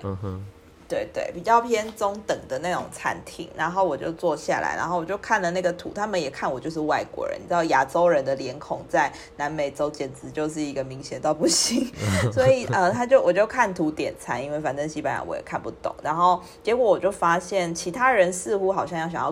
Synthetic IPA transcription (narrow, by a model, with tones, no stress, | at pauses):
t̪we˥˩ɪt̪wḛ˥˩ɪpi˨˩t͡ɕjɑ˥˩ʊpʰjɛ˥nt͡sʊ˥ŋt̪ə˨˩ŋd̪ə˦na˥˩ʈ͡ʂʊ̰˨˩ŋt͡sʰa̰˧˥nt̪ʰḭ˨˩˦ŋna˧˦nxo˥˩ʊwɔ˨˩t͡ɕjo̰˥˧ʊt͡swɔ˥˧ɕja̰˥˩la̰˧˥ɪna˧˥nxo˥˩ʊwɔ˨˩t͡ɕo˥˧kʰa˥˩nlə˩na˥˩ɡə˩t̪ʰṵ˨˦t̪ʰa˥mə˨njɛ˨˩kʰa˥˩nwɔ˨˩t͡ɕjo˥˧ʊʂɻ̩˥˧wa˥˩ɪkwɔ̰˧˦ɻə̰˧˦n̩˨˩˥d̪ɑ˥˩ja˨˩ʈ͡ʂo˥ʊɻə˧˦nd̪ə˨ljɛ˧˥nkʰʊ˨˩ŋt͡sa˥˩ɪ | na˧˥nme˨˩ɪʈ͡ʂo˥ʊt͡ɕjɛ˨˩nt͡sɹ̩˧˥t͡ɕjo˥˧ʊʂ̬ɻ̩˥˩i˧˥ɡə˨mi˧˥ŋɕjɛ˨˩nt̪ɑ˥˧ʊpu˥˩ɕi˧˥ŋswɔ˧˥i˨˩ʔə˧˩t̪ʰa˥t͡ɕjo˥ʊwɔ˨˩t͡ɕjo˥˧ʊkʰa˥˩nt̪ʰu˧˥t̪jɛ˨˩nt͡sʰa˥ni˧˥nwe˥˩ɪfa˨˩nt͡sə˥˧nɕi˧˥pa˧˥njɑ̰˨˦wɔ̰˧jɛ̰˨˩kʰa˥˧npu˥˩t̪ʊ̰˨˩˦ŋna˧˦nxo˥˩ʊ | t͡ɕjɛ˧˥kwɔ˧˥wɔ˨˩t͡ɕjo˥˩ʊfa˥ɕjɛ˥˩nt͡ɕʰi˧˥t̪ʰa˥ɻə˧˦nsɹ̩˥˧xu˧˥xɑ˨˩ʊɕjɑ˥˧ŋjɑ˥˩ʊɕɑ˨˩ŋjɑ˥˧